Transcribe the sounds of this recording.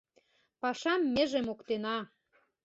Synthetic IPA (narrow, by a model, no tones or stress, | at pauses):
pɑʃɑmːĕʒemokt̪enɑ